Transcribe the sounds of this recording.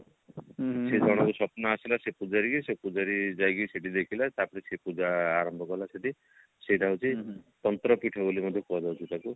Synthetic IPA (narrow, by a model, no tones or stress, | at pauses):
sed͡ʒʱɔɽ̃ɔkusɔpnɔasilasepud͡ʒaɾikisepud͡ʒaɾid͡ʒajkiseʈid̪ekʰilat̪apɔɽ̃isepud͡ʒaːɾɔmbʱɔkɔlaseʈi | seʈaɦut͡ʃʰit̪ɔnt̪ɾɔpiʈʰɔbolimɔd̪ʱjɔkɔd͡ʒawt͡ʃʰit̪aku